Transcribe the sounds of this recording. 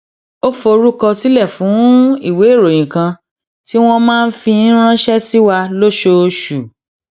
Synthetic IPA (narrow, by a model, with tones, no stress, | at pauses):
o˦fo˧ɾu˦kɔ˧si˦lɛ˦˨fũ˨˦i˦˨we˨˦˨ɾo˨j̃ĩ˨kã˧ | ti˦w̃ɔ̃˧mãː˦˧n̩˦fi˧˦ɾ̃ã˦ʃɛ˦si˦wa˧lo˦ʃo˧ʃu˨